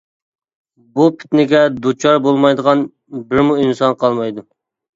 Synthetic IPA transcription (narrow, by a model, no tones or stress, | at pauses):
bupʰɪ̥t̪nɪɡʲɛd̪ut͡ʃʰɑɾbolˠmɑjd̪əʁɑn | bɪɾmuinsɑnqʰɑlˠmɑjd̪u